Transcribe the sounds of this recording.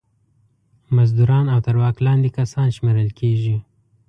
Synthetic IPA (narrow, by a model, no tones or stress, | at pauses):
mazd̪uɾɑnawt̪aɾwɑklɑnd̪ekasɑnʃmeɾəlkʰeʒi